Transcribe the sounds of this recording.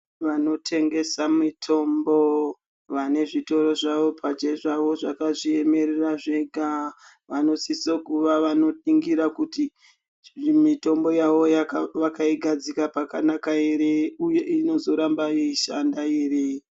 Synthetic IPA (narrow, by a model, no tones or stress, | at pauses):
ʋano̞tʰe̞ŋɡe̞samitʰo̞mbo̞ | ʋane̞ʐito̞ɾo̞ʐaʋo̞pʰad͡ʒeʐaʋo̞ʐakaʐie̞me̞ɾeraʐe̞ɡʱa | ʋano̞sisokuʋaʋano̞tiŋɡiɾakuti | mito̞mbo̞jaʋo̞jakʋakaiɡʱad͡zikapakanakaeɾeujeino̞zo̞ɾambajeiʃandaere